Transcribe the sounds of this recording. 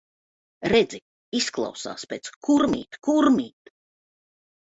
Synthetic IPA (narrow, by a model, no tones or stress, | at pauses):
ɾɛd̪zi | isklˠa̰wsa̰ːspʲeːt̪skʰuɾmḭːt̪kuɾmiːt̪